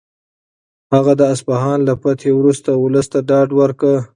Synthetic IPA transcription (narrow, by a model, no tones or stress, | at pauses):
haɣad̪əaspaɦɑnlapat̪ʰewɾust̪aʊləst̪aɖɑɖwəɾkə